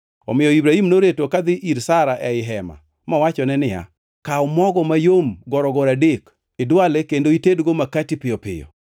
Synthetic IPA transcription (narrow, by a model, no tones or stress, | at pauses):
ɔmɪjɔibɾahimnoɾetokad̪ɪʔiɾsaɾaʔɛɪɦɛma̰ | mɔwat͡ʃɔnɛnɪja̰ | kaɔmɔɡɔmajomɡɔɾɔɡɔɾadek | ɪdwalekendoitedɡomakatipɪjɔpɪ̰jɔ̰